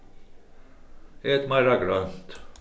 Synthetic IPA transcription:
et̪majɾaɡɾœnt̪

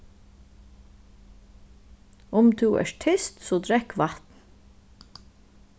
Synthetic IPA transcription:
ʊmt̪ʰuːʔɛ̰ːʃʈʰʏst̪soːd̪ɾɛkʋɑt̪n̩

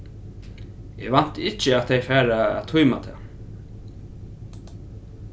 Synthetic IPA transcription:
ɛ̰ʋan̥t̪ɪt͡ʃəat̪θejfæːɾa̰ːt̪ʰujma̰t̪ʰɛ̰

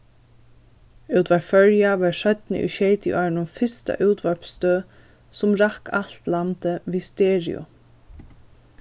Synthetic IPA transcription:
ʉːt̪ʋafœɹjaʋɑʃœt̪nə̰ʔḭʃeɪt̪ɪ̰ʔɑːɹɳʊnfɪst̪a̰ʔʉːt̪ʋœɹpst̪øː | sʊmɾakʰal̥t̪lamt̪əʋiːst̪eːɹɪ̰ʊ̰

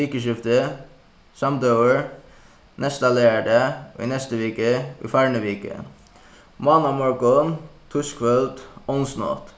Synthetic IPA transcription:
ʋiːkəʃɪft̪ə | sɑmd̪ɑʊəɹ | nʔɛst̪ɑləæɖəoːḭnɛst̪əʋiːkəʔḭːfæɹɳəʋiːkə̰ | mɑːnɑmɔɹkɔnt̪ʰʉskʋœlt̪ɔnsno̰ːt̪

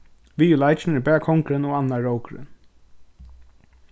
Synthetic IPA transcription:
ʋiːjulaɪt͡ʃn̩ɪɹbɛːkʰɔŋkɾɪnɔːanːaɹoʊkɾɪ̰n

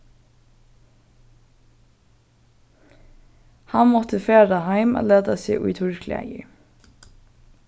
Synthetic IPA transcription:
hɑnmɔt̪ʰəfeːɾahaɪma̰leːd̪asɪʔʊjt̪ʰʊɹkʰlɛ̰jɪ̰

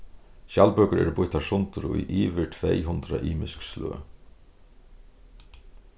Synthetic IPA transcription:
ʃalpœːkəɾɛ̰ːɾbʊht̪asʊnt̪ʊɾʊ̰jʔiːʋɪʈʰvɛjɦʊnt̪ɾaʔiːmɪskslø̰ː

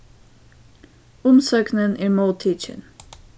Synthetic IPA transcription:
ʊmsøːknənʔæːɾmoːt̪ʰiːt͡ʃə̰n

